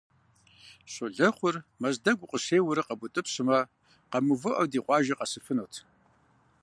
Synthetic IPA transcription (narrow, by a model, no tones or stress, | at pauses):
ɕʼʊɮɐχʷʊrmɐzdɐɡʷʊqʼəɕeːwʊɾɐqɐbʷʊtʼɨpɕɨmɐ | qɐmuvɨʔɐwdiːqʷʼɑːʒɐqɐsɨfɨnowtʰ